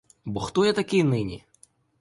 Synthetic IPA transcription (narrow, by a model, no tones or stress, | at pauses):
bɔxt̪ɔjɛt̪ɐkʲɪjnɪnʲḭ